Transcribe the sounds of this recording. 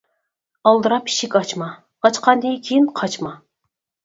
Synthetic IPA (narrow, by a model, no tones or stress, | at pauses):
ɑlˠd̪ɨɾɑpʰi̥ʃikʲɑt͡ʃmɑ | ɑt͡ʃqʰɑnd̪ijkʲʰejinqʰɑt͡ʃmɑ